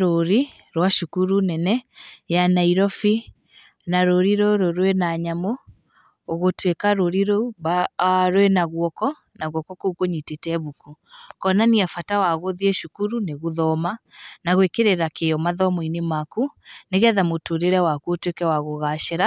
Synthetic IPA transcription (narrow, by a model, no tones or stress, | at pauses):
ɾoɾi | ɾwaʃukuɾunɛnɛjanaiɾɔfi | naɾoɾiɾoɾoɾwenaɲamoː | ɣotwekaɾoɾiɾɔuβaɾwenaɣwɔkɔ | naɣwɔkɔkoukoɲitetɛβukukɔnaniafatawaɣoðieʃukuɾuneɣoðɔmanaɣwekeɾeɾakeɔmaðɔmɔinemakuneɣɛðamotoɾeɾɛwakuotwekɛwaɣoɣaʃɛɾa